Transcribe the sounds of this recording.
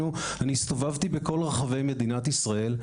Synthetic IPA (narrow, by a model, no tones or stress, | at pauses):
u | anist̪o̞vavt̪ibeko̞lʁeχave̞jme̞d̪inat̪isʁae̞l